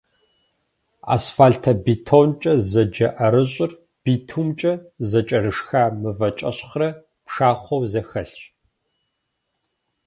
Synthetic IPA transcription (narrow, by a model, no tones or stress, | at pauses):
a̰ːsfaːltʰɐbiːtʰont͡ʃʼɐzɐd͡ʒɐʔɐɾɨɕʼɪr | b̥itʰumt͡ʃʼɐzɐt͡ʃʼɐɾɨʂxaːmɨvɐt͡ʃʼɐɕχrɐ | pʂaːχʷɔwzɐxɐɬɕʼ